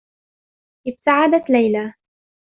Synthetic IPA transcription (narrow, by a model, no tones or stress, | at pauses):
ʔɪb̚t̪aʕad̪at̪lajla